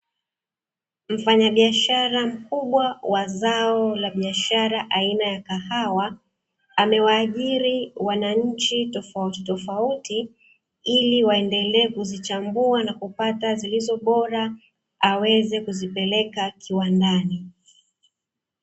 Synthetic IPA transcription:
m̩faɲaɓiaʃaɾam̩kuɓwawazaɔlaɓiaʃaɾaʔainajakahawa | amɛwaːʄiɾiwanaɲ̩t͡ʃitɔfatɔfauti | iliwaɛndɛlɛːkuzit͡ʃambuanakupatazilizɔɓɔɾa | awɛzɛkuzipɛlɛkakʰiwandani

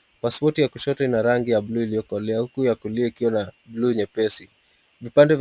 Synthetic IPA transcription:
paspɔtijakuʃɔtɔinaɾaŋɡijabluiliɔkɔlɛahukujakuliɛikiwanabluɲɛpɛsi | vipandɛv

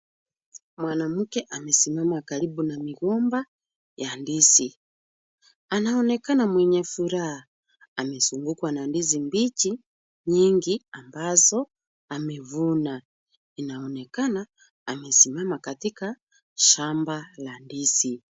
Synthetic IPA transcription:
mwanam̩kɛʔamɛsimamakaɾibunamiɣɔmba | jandisi | anaɔnɛkanamwɛɲɛfuɾaha | amɛsuŋɡukwanandizimbit͡ʃi | ɲiŋɡiambazɔ | amɛvuna | inaɔnɛkanaː | mɛsimamakatika | ʃambalandisi

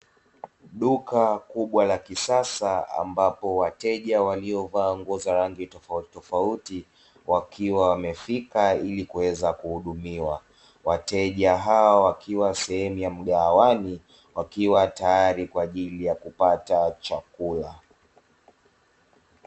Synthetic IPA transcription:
ɗukakuɓwalakisasaa̰mbapɔwatɛʄawaliɔvaːɔŋɡɔzaɾaŋɡitɔfautɔfauti | wakʰiwawamɛfikailikuwɛzakuhuɗumiwa | watɛʄaɦawawakiwasɛhɛmujam̩ɠaːwani | wakiwatajaɾikwaːʄilijakupatat͡ʃakula

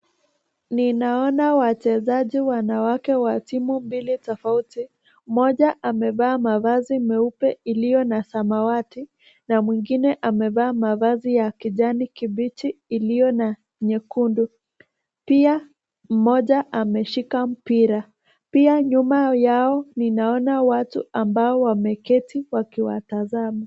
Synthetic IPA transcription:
ninaɔnawat͡ʃɛzaʄiwanawakɛwatimumbilitɔfauti | mɔʄaʔamɛvaːmavazimɛupɛilijɔnasamawati | namwiŋɡinɛʔamɛvaːmavazijakiʄanikiɓit͡ʃiːlijɔna | ɲɛkundu | pia | m̩mɔʄaʔamɛʃikam̩piɾa | piaɲumajaɔninaɔnawatṵambaɔwamɛkɛtiwakiwa̰tazama

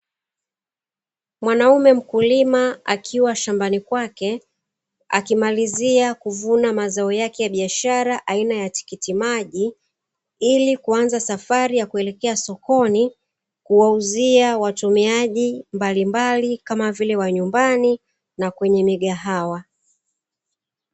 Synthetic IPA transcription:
mwanaumɛm̩kulimaakʰiwaʃambanikwakɛ | a̰kimaliziakuvunamazaɔjakɛjaɓiaʃaɾaʔainajati̥kitimaʄi | ilikuanzasafaɾijakuɛlɛkɛasɔkɔni | kuwauziawatumiaʄimbalimbalikamavilɛwaɲumbani | nakwɛɲɛmiɠaɦawa

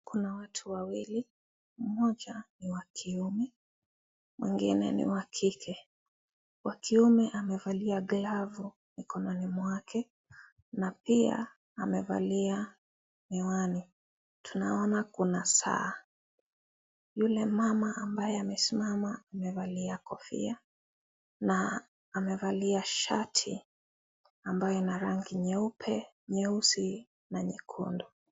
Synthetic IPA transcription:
kunawatʰuwawili | m̩mɔd͡ʒaniwakʰiumɛ | mwḭŋɡḭnɛ̰nḭwakʰikʰɛ | wʔakiumɛʔamɛvaliaɡlavu | mikɔnɔnimwakʰɛ | napia̰ | amɛva̰lia | mɛwani | tʰunaɔnakunasa̰ː | julɛmamaambajɛamɛsimamaːmɛvaliakɔfḭa | naː | mɛvaliaʃatʰḭ | ambajɔinaɾaŋɡiɲɛupʰɛ | ɲɛusi | naɲikʰṵndɔ

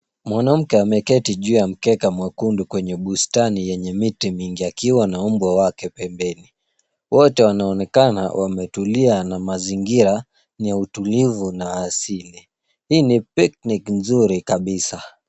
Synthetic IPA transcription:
mwanam̩kɛamɛkɛtiʄuːjam̩kɛkamwakundukwɛɲɛɓustanijɛɲɛmitimiŋɡiakiwanaumbwawakɛpɛmbɛni | wɔtɛwanaɔnɛkana̰wamɛtulianamaziŋɡiɾa | niautulivunaːsili | hiːnipik̚niknzuɾikaɓisa

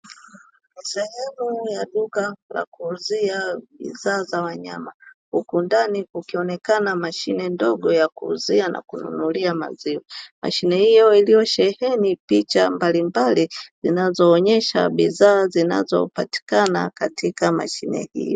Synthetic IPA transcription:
misɛhɛmujaɗukala̰kuːziaɓḭzaːzawaɲamahukundanikukiɔnɛkanamaʃinɛndɔɡɔjakuːziana̰kunṵnuliama̰ziwɛma̰ʃinɛhijɔilijɔʃɛhɛnipit͡ʃa̰mbalimbalizinazɔːɲɛʃa̰ɓizaːzina̰zɔ̰pati̥kana̰katʰikama̰ʃinɛ̰hḭjɔ

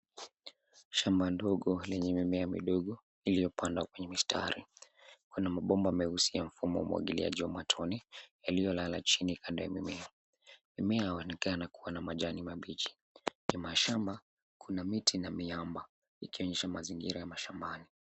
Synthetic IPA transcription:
ʃambandɔɠɔlɛɲɛmimɛamḭɗɔɠɔ | ilijɔpʰandwakwɛɲɛmistʰa̰ɾikunamaɓɔmbaamɛhusiam̩fumɔwa̰mṵwa̰ɠilḭa̰ʄiwamatʰɔnɛjalijɔlalat͡ʃinikʰandɔja̰mimɛa | mimɛahawɛnɛkanakuwanamaʄanimaɓit͡ʃi̥ | kimaʃamba | kʰunamitʰinamiamba | ikiɔɲɛʃamaziŋɡiɾajamaʃambani

